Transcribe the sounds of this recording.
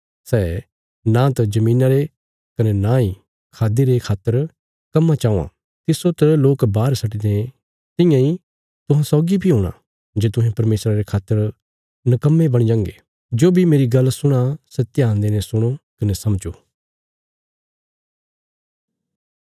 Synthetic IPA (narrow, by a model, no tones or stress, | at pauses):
sɛː | nãt̪ɐd͡ʒɐmĩːnaɾe | kɐnenãːi | kʰaːd̪iɾekʰaːt̪ːəɾ | kɐmːat͡ʃaːũã̰ | t̪ɪsot̪əloːkbaːɾsɐʈid̪ẽ | t̪ɪ̃jãi | t̪ʊɦãsɔːɡibʱiɦoːɽ̃a̰ | d͡ʒeːt̪̬ʊ̃ɦẽpɐɾmeːsɾaɾekʰaːt̪ːəɾ | nɐkɐmːebɐɽ̃id͡ʒãːŋɡe | d͡ʒoːbʱimeːɾiɡɐlsʊɽ̃asɐt̪ːjãːnd̪enesʊɽ̃okɐnesɐmd͡ʒoː